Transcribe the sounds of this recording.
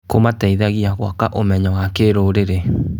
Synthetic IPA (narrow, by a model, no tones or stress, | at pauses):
komatɛiðaɣiaɣwakaʔomɛɲawakeɾoɾeɾe